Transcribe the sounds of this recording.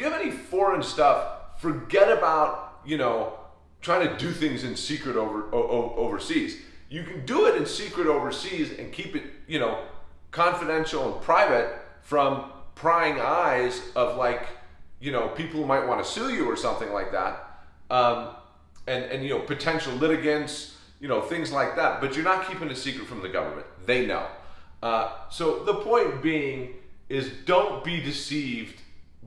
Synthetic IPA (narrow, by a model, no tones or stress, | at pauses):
jɨɨvɛnifɔɹɨ̃nstʌffə˞ɡɛɾɨbaʊt̚jɨñoʊ | tʰɹ̥aɪɪ̃ŋtʰɨdɨθɪ̃ŋzɨ̃nsikɹɨɾoʊvə˞ʔoʔoʊʔoʊvə˞siz̥jɨkɨ̃n̩dəɪɾɨ̃nsikɹɨɾoʊvə˞sizɨ̰̃nkʰipɨt̚jɨñoʊkʰɑ̃ɱfɨɾɛ̃nʃl̩ˠə̃npʰɹ̥aɪvɨt̚ | fɹʌ̃mpʰɹ̥aɪɪ̃ŋaɪzʌvlaɪkjɨnoʊpʰipl̩ˠhumaɪʔ̚wɑ̃ñɨsʉjɨə˞sʌ̃mθɪ̃ŋlaɪk̚ðæ̰t̚ʔʌ̃m | ɨ̃nɨ̰̃njɨnoʊpʰɨtʰɛ̃nʃl̩ˠlɪɾɨɡɨ̃ns | jɨnoʊθɪ̃ŋzlaɪk̚ðæt̚b̥ʌt͡ʃə˞nət̚kʰipɪ̃ŋɨsikɹɨtfɹʌ̃mðɨɡʌ̰və̰˞mɨ̰̃nðeɪno̰ʊʔʌsoʊðəpʰɔ̃ɪ̃nb̥iɪ̃ŋɪzdõʊ̃n̚b̥idɨsivd̥